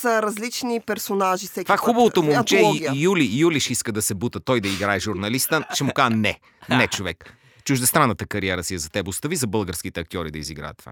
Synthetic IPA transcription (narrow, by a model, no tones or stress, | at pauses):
səɾɐzlit͡ʃnipɛɾsonaʒisɛkfvaxubəvot̪omut͡ʃɛjulijuliʃiskəd̪ɐsɛbut̪ət̪ɔjd̪ɐiɡɾaɛʒuɾnɐlist̪əʃɛmukaʒənɛ | nɛt͡ʃovɛk | t͡ʃuʒd̪ɛst̪ɾanːət̪əkɐɾiɛɾəsiɛzɐt̪ɛbʊst̪ɐvizɐbɤlˠɡəɾsk̟it̪ɛɐk̚t̪ʲɔɾid̪ɐiziɡɾa̰ɛ̰t̪ːva̰